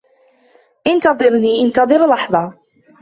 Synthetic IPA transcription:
ʔɪnt̪ɑðˤɨɾniːʔɪnt̪ɑðˤɨɾlɑħðˤɑ

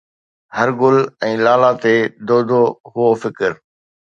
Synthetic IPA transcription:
hɐɾɡʊlɛ̃ːlaːlat̪eːd̪oːd̪ʱoɦʊofɪkɪɾ

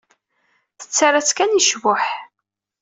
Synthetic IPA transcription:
θə̥t͡sːaɾat͡skæniʃwʊħ

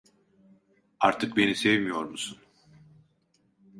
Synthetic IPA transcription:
aɾt̪ʰɯk̚be̞nisevmijo̞ɾmusun

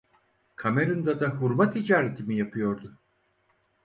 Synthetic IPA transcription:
kʰame̞ɾɯnd̪ad̪aɦuɾmat̪ʰid͡ʒaːɾe̞t̪ʰimijapʰɯjo̞ɾd̪ʊ

